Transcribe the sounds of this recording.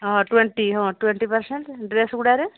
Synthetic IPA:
ɔ̃ʈweɳʈiɦɔ̃ʈweɳʈipaɾseɳʈɖɾesɡuɽaɾe

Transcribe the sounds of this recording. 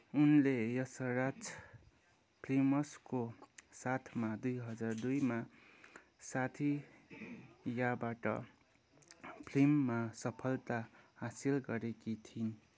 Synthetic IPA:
unlejʌsʌrat͡s | pʰlimʌskosat̪ʰmad̪ujɦʌd͡zard̪ujma | sat̪ʰi | jabaʈʌ̰ | pʰlimːasʌpʰʌlt̪ahasilɡʌɾekit̪ʰin

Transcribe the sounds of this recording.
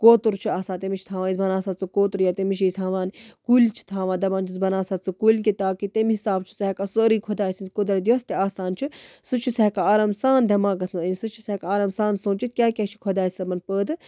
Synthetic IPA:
koːt̪uɾt͡ʃʰiaːsaːt̪emʲit͡ʃʰi̥t̪ʰaːʋaːizbɐnaːsaːt͡sɨkoːt̪uɾjat̪emit͡ʃʰiːst̪ʰaːʋaːnkulʲt͡ʃʰi̥t̪ʰaːʋaːd̪ɐbãːnt͡ʃʰizbɐnaːsaːt͡sɨkulʲkit̪aːkit̪emiɦisaːbt͡ʃʰu̥seɦkɐsəːɾiːkʰod̪aːisinzkod̪ɐɾd̪ijoːst̪iaːsaːnt͡ʃʰisut͡ʃʰisɛɦkaaːɾɐmsaːnd̪ʱʲɐmaːɡɐsnənʲsut͡ʃʰisɛkaːɾɐmsaːnsõːt͡ʃit̪̚kʲaːkʲet͡ʃʰi̥kʰod̪aːisɐbɐnpəːd̪ɨ

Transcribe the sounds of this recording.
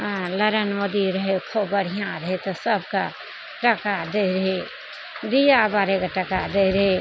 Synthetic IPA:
ãləɾənməd̪iɾəɦekʰobəɽ̤ijãɾɐɦet̪osəb̚ka̰ | ʈəkad̪eɾəɦe | d̪ijabaːɾekaʈɐkad̪eɾəɦe

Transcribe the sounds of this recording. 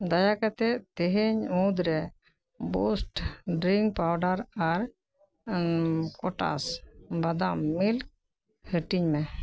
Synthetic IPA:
d̪ajakat̪ɛt̪ɛɦeɲũd̪ɾɛ | bosʈɖɾiŋɡ̚pawɖaɾaɾ | kɔʈa̰sbad̪ammilk̚ | həʈiɲmɛ

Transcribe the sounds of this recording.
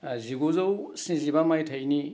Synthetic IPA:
ziɡozɐwsĩzibamajtʰɐjni

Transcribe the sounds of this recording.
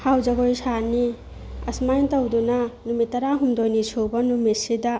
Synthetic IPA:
hawd͡ʒɐɡojsani | ɐ̰smajntɐwdunanumitɐɾaɦumdojnisuwbɐnumisida

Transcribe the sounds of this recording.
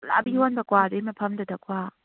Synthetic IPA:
la̰bihonbɐkwadɯjmɐpʰɐmdɐdɐkʰwa

